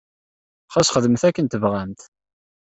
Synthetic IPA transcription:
χæsχəðəmθækːənt̪əvʁæmt̪

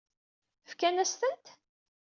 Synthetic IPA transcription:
fkænæst̪ənt̪

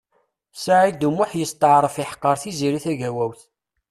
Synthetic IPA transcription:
saʕid̪umːʊħjəst̪əʕɾˤəfɪħə̥qːəɾˤθiziɾiθæʝæwæwθ

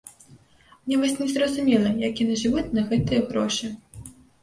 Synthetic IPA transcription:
mnʲɛvɔsʲnʲɛzrɐzʊmʲɛlˠɐjakʲinɛʐɨvutʲnɐɣɛt̪ɨjɐɣɾɔʂɨ

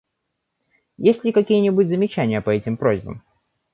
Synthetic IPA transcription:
jesʲlʲɪkɐkʲijənʲɪbutʲzəmʲɪt͡ɕænʲɪjəpɐɛtʲɪmpɾo̞̰zʲbə̰m

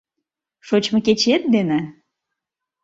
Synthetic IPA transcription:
ʃot͡ɕmɤ̆ket͡ɕet̪̚d̪ene

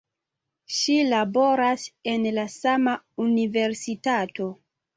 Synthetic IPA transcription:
ʃilabo̞ɾase̞nlasama | unive̞ɾsitato̞

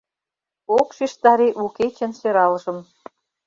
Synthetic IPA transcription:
okʃiʃt̪ɑɾeʔuket͡ɕɘ̆nsøɾɑlʒə̆m

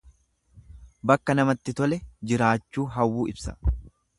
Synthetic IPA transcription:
bɐkːɐnɐmɐt̪ːɪt̪ɔlɛd͡ʒɪɾaːt͡ʃːuːɦɐwːuːɪbsɐ̰

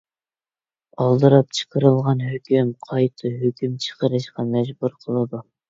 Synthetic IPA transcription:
ɑlˠd̪ɨɾɑp̚t͡ʃʰə̥qʰəɾɨlˠʁɑnɦøkʲymqʰɑjt̪ʰɨɦøkʲymt͡ʃʰə̥qəɾɨʃqɑmɛd͡ʒbuɾqʰəlˠɨd̪u

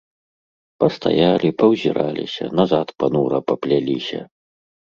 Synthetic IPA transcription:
pɐst̪a̰jalʲipɐwzʲiɾalʲḭsʲɐ̰nazat̪panuɾɐpɐplʲalʲisʲɐ̰

